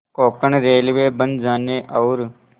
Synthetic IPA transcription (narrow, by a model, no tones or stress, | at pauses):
koːkəɳɾeːlʋeːbə̃nd͡ʒaːneːʔɐːɾ